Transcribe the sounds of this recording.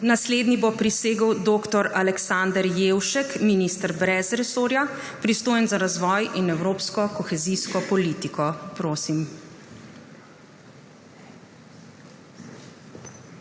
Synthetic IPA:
nasleːd̪nibopɾiseːɡəwd̪oːkt̪ɔɾalɛksand̪əɾjewʃɛkminist̪əɾbɾɛzɾɛsoːɾjapɾist̪oːjɛnzaɾazʋɔjinɛwɾoːpskɔkɔxɛziskɔpɔliːt̪ikɔpɾoːsim

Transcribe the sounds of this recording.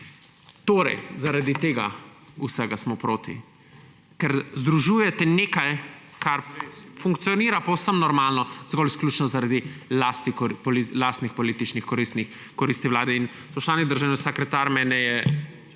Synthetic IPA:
t̪oːɾɛ̰jzaɾad̪it̪eːɡa̰usɛɡasmɔpɾoːt̪ḭ | kɛɾzd̪ɾuʒuːjɛt̪ɛneːkaj | kʰaɾfuŋkt̪sijɔniːɾapɐwsəmnɔɾmalnɔzɡɔlisklʲuːt͡ʃnɔzaɾad̪ilast̪ikɔpɔlilast̪nixpɔliːt̪it͡ʃnixkɔɾist̪ni | kɔɾist̪iʋwlaːd̪ɛin | spɔʃt͡ʃ̪aːlniɡd̪əɾʒawnɛsakɾɛt̪aɾmɛnɛjɛ

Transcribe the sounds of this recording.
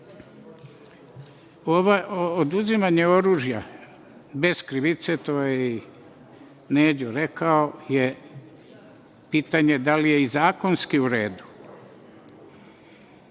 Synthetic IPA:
oʋaʔood̪uzimaɲeo̞ɾuːʒja | be̞zkɾiʋit̪set̪ojei | neːd͡ʑoɾe̞kaoje | piːt̪aɲe̞d̪alijeizaːko̞nskiuɾe̞ːd̪u̥

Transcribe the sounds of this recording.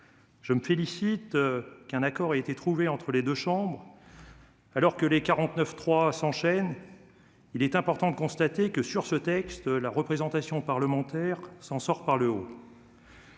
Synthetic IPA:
ʒ̥əməfelisit̪kɛ̃nakɔʁaet̪et̪χuveɑ̃t̪χəled̪øʃɑ̃bʁ | alɔʁkəlekaʁɑ̃t̪nœft̪χwasɑ̃ʃɛn | ilɛt̪ɛ̃pɔʁt̪ɑ̃d̪əkɔ̃st̪at̪ekəsyʁsət̪ɛkst̪laʁəpχezɑ̃t̪asjɔ̃paʁləmɑ̃t̪ɛʁsɑ̃sɔʁpaʁləo

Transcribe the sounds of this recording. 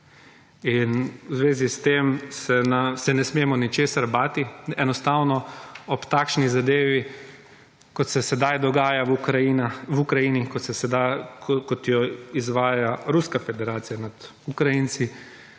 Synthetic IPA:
inwzʋeːzist̪emsɛnasɛnɛsmeːmɔnit͡ʃeːsaɾbaːt̪iɛnɔst̪awnɔɔpt̪aːkʃnizad̪eːʋi | kɔt̪sɛsɛd̪ajd̪ɔɡaːjakɾainawukɾajinikɔsɛsɛd̪akɔt̪jɔizʋaːjaɾuskafɛd̪ɛɾaːt̪sijanad̪̥ | ukɾajinsi

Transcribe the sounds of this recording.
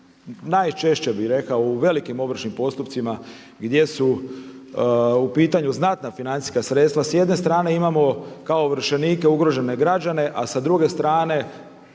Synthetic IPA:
najt͡ʃe̞ʃt͡ɕe̞bixɾe̞kaouʋe̞likimo̞ʋr̩ʃnimpo̞st̪upt̪sima | ɡd̪je̞su | upiːt̪aɲuznat̪nafinani̥skasɾet̪st̪ʋasjed̪ne̞st̪ɾaːne̞imamo̞kaoʋɾ̩ʃe̞niːke̞uɡɾo̞ʒe̞ne̞ɡɾad͡ʑane̞ʔasad̪ɾuɡe̞st̪ɾaːne̞

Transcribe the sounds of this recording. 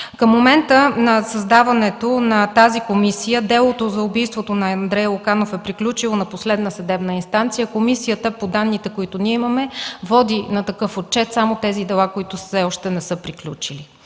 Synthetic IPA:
kəmːomɛnt̪ənɐsɐzd̪avɐnɛt̪onɐt̪azikomisijəd̪ɛlˠot̪ozɐʊbijst̪vot̪onɐɐnd̪ɾɛjˠokanofɛpɾiklʲut͡ʃilˠonɐposlɛd̪nəsɐd̪ɛbnəinst̪ant̪sijəkomisijət̪əpod̪anːit̪ɛkoit̪ʊniɛimɐmɛvɔd̪inɐt̪ɐkɤfot̪̚t͡ʃɛt̪samot̪ɛzid̪ɛlˠakoit̪ʊsɛɔʃt̪ɛnɛsɤpɾiklʲṵt͡ʃili

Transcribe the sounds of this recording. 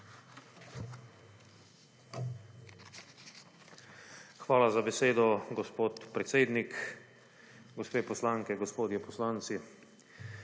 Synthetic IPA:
xʋaːlazabɛseːd̪ɔɡɔspoːt̪pɾɛt̪seːd̪nik | ɡɔspeːpɔslaːŋkɛɡɔspoːd̪jɛpɔslaːnt̪si

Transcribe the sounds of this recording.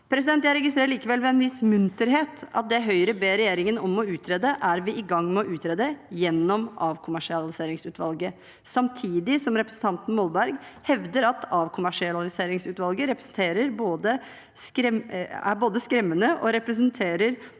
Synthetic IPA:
pʰɾɛs̬ɪd̪ɛnt̪jæɪɾɛɡɪst̪ɾeːɾəliːkəʋɛlʋɛɛnʋɪsmʉnt̪əɾheːt̪ɑ̰t̪̚d̪ɛɦœʏɾəbeːɾɛjeːɾɪŋənɔmːɔʉːt̪ʰɾeːd̪əʔæɾʋɪʔɪɡɑŋːmɛɔʔʉːt̪ʰɾeːd̪əjɛnːɔmʔɑːʋkʰʊmæʂɪɑlɪseːɾɪŋsʉːt̪ʋɑlɡə | sɑmt̪ʰiːd̪ɪsɔmɾɛpɾəsn̩t̪ɑnt̪n̩mɔlbæɾɡhɛʋd̪əɾɑt̪ʰɑːʋkʰʊmæʂɪɑlɪseːɾɪŋsʉːt̪ʋɑlɡəɾɛpɾəsn̩t̪ʰeːɾəɾboːd̪ə | skɾɛmæboːd̪əskɾɛmːənəʔɔɾɛpɾəs̬ənt̪ʰeːɾəɾ

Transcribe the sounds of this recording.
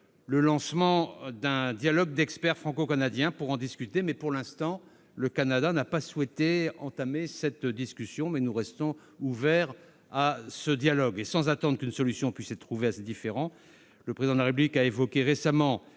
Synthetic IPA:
ləlɑ̃smɑ̃d̪ɛ̃d̪jalɔɡ̚d̪ɛkspɛʁfχɑ̃kokanad̪jɛ̃puʁɑ̃d̪iskʲyt̪emɛpuʁlɛ̃st̪ɑ̃ | ləkanad̪anapaswɛt̪eɑ̰̃t̪amesɛt̪d̪iskʲysjɔ̃mɛnuʁɛst̪ɔ̃ | uvɛʁ | asəd̪jalɔɡesɑ̃zat̪ɑ̃d̪ʁəkynsɔlysjɔ̃pɥisɛt̪ːχuveased̪ifeʁɑ̃ | ləpχezid̪ɑ̃d̪laʁep̬yblikaevɔkʲeʁesamɑ̃

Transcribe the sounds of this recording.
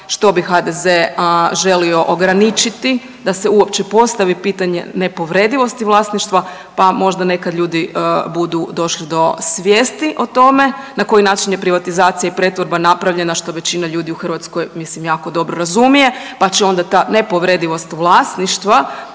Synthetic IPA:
ʃt̪o̞bixad̪ezeʒe̞lio̞ʔoɡɾanit͡ʃit̪i | d̪aseuopt͡ɕe̞po̞st̪aʋipiːt̪aɲe̞̰ne̞po̞ʋɾe̞d̪iʋo̞st̪iʋlˠaːsniʃt̪ʋa | pamo̞ʒd̪ane̞kad̪ʎuːd̪ibud̪ud̪o̞ʃlid̪o̞sʋjeːst̪iʔo̞t̪o̞me̞ | nako̞jinaːt͡ʃinjepɾiʋat̪izaːt̪sijaipɾe̞t̪ʋo̞ɾbanapɾaʋʎe̞naʃt̪o̞ʋe̞t͡ɕinaʎuːd̪iuxr̩ʋat̪sko̞jmislimjaːko̞d̪o̞bɾoɾazumije̞pat͡ɕeo̞nd̪at̪anepo̞ʋɾe̞d̪iʋo̞st̪ʋlˠaːsniʃt̪ʋa

